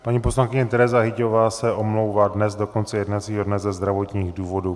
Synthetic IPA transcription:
ppaɲipo̞slankɪɲɛt̪ɛɾɛzaɦɪcovaːsɛʔo̞mlowvadnɛzdo̞ko̞nt͡sɛjɛdnat͡siːɦo̞dnɛzɛzd̪ɾavo̞t̪ɲiːɣduːvo̞du

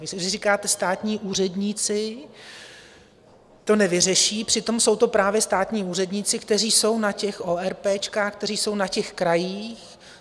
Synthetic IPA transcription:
vɪsɛzɪriːkaːt̪ɛst̪aːt̪ɲiːʔuːr̝ɛdɲiːt͡sɪ | t̪o̞nɛvɪrɛʃiːpr̥ɪt̪o̞mso̞wt̪o̞pɾaːvjɛst̪aːt̪ɲiːuːrɛdɲiːt͡sɪkt̪ɛr̝iːso̞wnacɛxʔoːɛɾpɛːt͡ʃkaːxk̚t̪ɛriːso̞wnacɛxkɾajiːx

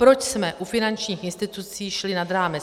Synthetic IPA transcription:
pɾot͡ʃsmɛʔufɪnant͡ʃɲiːxʔɪnst̪ɪt̪ut͡siːʃlɪnad̪ɾaːmɛ

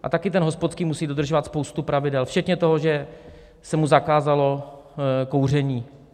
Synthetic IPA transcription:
ʔa̰t̪akɪt̪ɛnɦospot̪skiːmusiːdod̪r̩ʒovat̪spo̞wst̪upɾavɪdɛlft͡ʃɛt̪ɲɛt̪o̞ɦoʒɛ | sɛmuzakaːzalo̞ | ko̞wr̝ɛɲiː

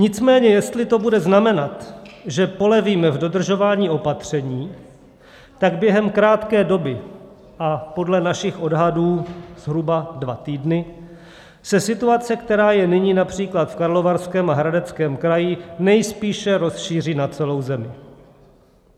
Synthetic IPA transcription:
ɲɪt͡smɛːɲɛjɛst̪lɪt̪o̞budɛznamɛnat̪ʒɛpo̞lɛviːmɛvdo̞d̪r̩ʒo̞vaːɲiːo̞pat̪r̝̥ɛɲiː | t̪aɡbjɛɦɛmkɾaːt̪kɛːdo̞bɪ | ʔapo̞dlɛnaʃɪxʔo̞dɦaduːz̥ɦɾubadvat̪iːdnɪ | sɛsɪt̪uat͡sɛkt̪ɛɾaːjɛnɪɲiːnapr̝̥iːklat̪fkaɾlo̞vaɾskɛːmaɦɾadɛt͡skɛːmkɾajɪnɛjspiːʃɛɾo̞sʃiːr̝iːnat͡sɛlo̞wzɛmɪ

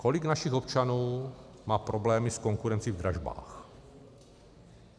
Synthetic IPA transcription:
ko̞liɡnaʃixo̞pt͡ʃanuː | maːpɾoblɛːmisko̞ŋkuɾɛnt͡sivd̪ɾaʒba̰ːx

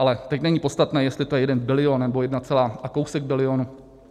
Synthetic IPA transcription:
alɛt̪ɛcnɛɲiːpo̞t̪st̪at̪nɛːjɛst̪lɪt̪ojɛjɛdɛnbɪlɪonnɛbo̞jɛdnat͡sɛlaːʔakowsɛɡ̚bɪlɪonu

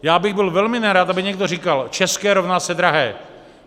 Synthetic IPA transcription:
jaːbɪɣbɪlvɛlmɪnaɾat̪ʔabɪɲɛɡ̚dorikalt͡ʃɛskɛːɾovnasɛd̪ɾaɦɛː

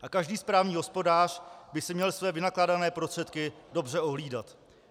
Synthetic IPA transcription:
ʔakaʒdiːspɾaːvɲiːɦo̞spo̞daːr̝̥bɪsɪmɲɛlsvɛːvɪnaklaːdanɛːpɾost̪r̥ɛt̪kɪdo̞brɛo̞ɦliːdat̪

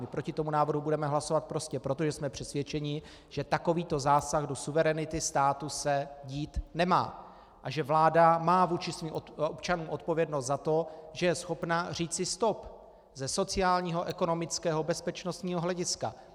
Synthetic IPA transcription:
mɪpɾo̞cɪt̪o̞munaːvr̩ɦubudɛmɛɦlasovat̪̚pɾo̞scɛpɾo̞t̪o̞ʒɛsmɛpr̝̥ɛsvjɛt͡ʃɛɲɪ | ʒ̥ɛt̪ako̞viːt̪o̞zaːsaɣdo̞suvɛɾɛnɪt̪ɪst̪aːt̪usɛɟiːt̪nɛma̰ː | ʔaʒɛvlaːdamaːvuːt͡ʃɪsviːmʔopt͡ʃanuːmo̞t̪̚po̞vjɛdnost̪zat̪o̞ʒɛjɛsxo̞pnar̝iːt͡sɪst̪o̞p | zɛso̞t͡sɪaːlɲiːɦo̞ʔɛko̞no̞mɪt͡skɛːɦo̞bɛspɛt͡ʃno̞st̪ɲiːɦoɦlɛɟɪska̰

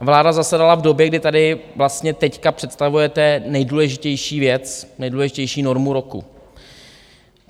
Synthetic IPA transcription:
vlaːdazasɛdalavdo̞bjɛɡdɪt̪adɪvlast̪ɲɛt̪ɛckapr̝̥ɛt̪st̪avujɛt̪ɛnɛjduːlɛʒɪcɛjʃiːvjɛt͡snɛjduːlɛʒɪcɛjʃiːno̞ɾmuɾo̞kṵ

